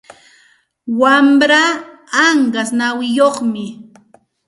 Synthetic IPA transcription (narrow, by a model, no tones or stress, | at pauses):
wambɾa | aɴɢasnawɪjoχmɪ